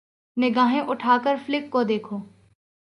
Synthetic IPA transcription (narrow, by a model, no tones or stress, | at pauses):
nɪɡaːɦẽʔʊʈʰaːkəɾflɪkːod̪eːkʰoː